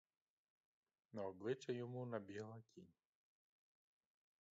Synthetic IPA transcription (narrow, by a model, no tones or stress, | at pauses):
nɐɔblˠɪt͡ʂɐjɔmunɐbʲɛlˠɐkʲinʲ